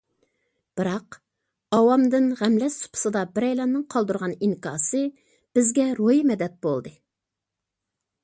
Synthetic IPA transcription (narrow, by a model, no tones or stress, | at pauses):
b̥ɨɾɑq | ɑwɑmd̪ɪnʁæmlɛssu̥pʰʊ̥sɨd̪ɑbɪɾɛjlɑnːɨŋqʰɑlˠd̪uɾʁɑniŋkʰɑ̰ːsɨ | b̥ɪzɡʲɛɾojimɛd̪ɛt̪̚bolˠd̪ɨ